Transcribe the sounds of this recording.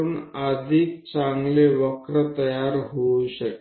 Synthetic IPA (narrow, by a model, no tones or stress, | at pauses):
uːnəd̪ʱik̚t͡saŋɡleʋəkɾət̪əjaɾɦouɕək